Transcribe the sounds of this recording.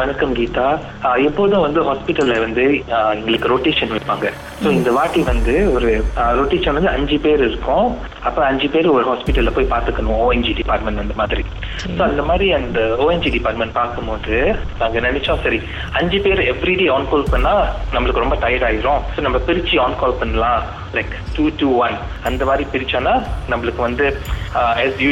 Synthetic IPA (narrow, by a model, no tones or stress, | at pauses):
ʋɐnɐkːɐmɡiːʈ̪aː | ɛpːoʋðʊ̃ʋɐnd̪ɯɦaːspɪʈːɐlɐʋɐnd̪ɯɛŋɡɐɭɯkːɯɾoːʈeːʂɐnʋɪpːaːŋɡɐ | soːɪnd̪ɐʋaːʈːiʋɐnd̪ɯɔɾɯɾoːʈeːʃɐnʋɐnd̪ɯɐɲd͡ʒipeːɾɪɾɯkːʊ̃ | ɐpːɐɐɲd͡ʒipeːɾɔɾɯɦaːspɪʈːɐlːɐpoːjpaːɾt̪ɯkːɐɳʋõoːɛnd͡ʒiɖɪpaːɾʈmɛ̃ɳʈ̪ɐnd̪ɐmaːðɪɾi | soːɐnd̪ɐmaːd̪ɾiɐnd̪ɐoːɛnd͡ʒiɖɪpaːɾʈmɛ̃ɳʈ̚paːɾkɯmboːðɯnaːŋɡɐnɐnɛt͡ʃːõːsɐɾi | ɐɲd͡ʒipeːɾɛʋɾiɖeːaːnkoːlpɐɳːãːnɐmːɐɭɯkːɯɾɔmbɐt̪ɐjɐɽaːjɪɾʊ̃soːnɐmːɐpɪɾɪt͡ʃːiaːnkɔːlpɐnːɐlãː | lɐɪkʈuːʈuːʋɐn | ɐnd̪ɐmaːd̪ɾipɪɾɪt͡ʃːõːnːaːnɐmːɐɭɯkːɯʋɐnd̪ɯ | ɛːsju